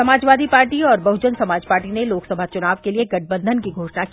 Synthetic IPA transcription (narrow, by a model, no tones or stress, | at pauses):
ɐmaːd͡ʒʋaːd̪ipaːɾʈiɔːɾbɐɦʊd͡ʒənsɐmaːd͡ʒpaːɾʈineloːksɐbʱat͡ʃʊnaːʋkelieɡɐʈ̚ʰbə̃nd̪ʱənkiɡʱoːʃnakː